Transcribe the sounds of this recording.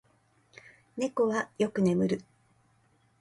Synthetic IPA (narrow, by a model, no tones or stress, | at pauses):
ne̞ko̞βajo̞kɯ̟ne̞mɯ̟ɾɯ